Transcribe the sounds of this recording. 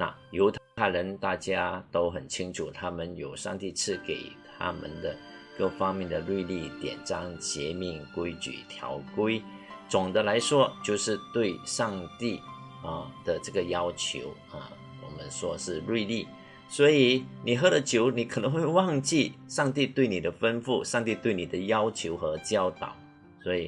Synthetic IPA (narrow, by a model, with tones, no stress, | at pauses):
na̰˥˨jo˧˥ʊt̪ʰa˥a˥ɪɻə˧˦˥nt̪a˥˩t͡ɕja˥t̪o˥ʊxə˨˩nt͡ɕʰi˥ŋʈ͡ʂʰu˨˩t̪ʰa˥mə˨njo˨˩ʊʂɑ̰˥˧ŋt̪i˥˧t͡sʰɹ̩˥˩kḛ˨˩ɪt̪ʰa̰˥mə̰˨nd̪ə˩kɤ˥˩fɑ˥ŋmjɛ˥˩nd̪ə˩lwi˥˧li˥˩t̪jɛ̰˨˩nʈ͡ʂɑ˥˩ŋt͡ɕjɛ˧˥mi˧˥˩ŋkwe˥ɪt͡ɕy̰˨˩t̪ʰjɑ̰˧˥ʊkwe˥ɪ | t͡sʊ˨˩ŋd̪ə˦˧la˧˥ɪʂwɔ˥t͡ɕjo˥˧ʊʂɻ̩˥˧t̪we˥˧ɪʂɑ˥˧ŋt̪i˥˩ | ə˩d̪̥ə˨ʈ͡ʂə˥˩ɡə˩jɑ˥ʊt͡ɕʰjo̰˧˥ʊ | ə̰˨˩ | wɔ˨˩mə˦nʂwɔ˥ʂɻ̩˥˧lwi˥˧li˥˩ | swɔ˧˥i˨˩ni˨˩ɦɤ˥ɾə˨t͡ɕʰjo˧˥ʊni˨˥kʰə˨˩nə˧˦ŋxwe˥˧ɪwɑ˥˧ŋt͡ɕi˥˩ʂɑ˥˧ŋt̪̬i˥˧t̪we˥˩ɪni˨˩d̪ə˦fə˥nfu˥˩ʂɑ˥˧ŋt̪i˥˧t̪we˥˩ɪni˨˩d̪ə˦jɑ˥ʊt͡ɕʰjo˧˥ʊxə˧˥t͡ɕjɑ˥ʊt̪ɑ̰˨˩ʊ | swɔ˧˥i˨˩